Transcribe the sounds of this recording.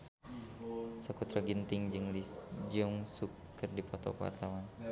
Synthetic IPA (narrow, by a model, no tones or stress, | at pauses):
səkut̪ɾaɡint̪ɪŋd͡ʒɨŋlisd͡ʒɔŋsukː | ərdipɔt̪ɔ̰kwa̰rt̪awan